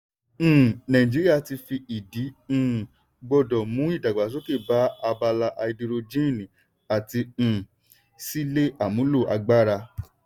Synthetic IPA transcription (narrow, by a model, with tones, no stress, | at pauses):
nã˨ĩ˨d͡ʒi˨˦ɾi˦a˦˨ti˧fi˧i˨dĩ˨˦˨ | ɡ͡bɔ˧dɔ˨mũ˨˦i˦˨da˨ɡ͡ba˨s̬o˨˦ke˦˨ba˨˦a˧ba˧la˧ʔa˧i˧di˧ɾo˧d͡ʒĩ˦˨nĩ˨ | a˨tĩ˧˨ | si˦le˦a˦˨mũ˨˦lo˦˨ʔa̰˧ɡ͡ba˦ɾa˧